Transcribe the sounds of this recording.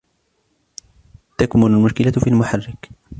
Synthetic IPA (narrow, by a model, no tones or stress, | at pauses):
t̪akmʊlalmʊʃkɪlafiːalmʊħarːɪk